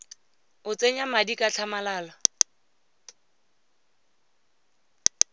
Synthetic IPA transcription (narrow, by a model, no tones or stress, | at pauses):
ʊt͡sʼeɲamadikʼat͡ɬʰamalaːla